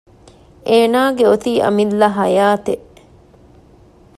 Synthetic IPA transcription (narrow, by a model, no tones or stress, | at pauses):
ʔeːnaːɡeot̪iːʔɐ̰milːɐɦɐjaːt̪eʔ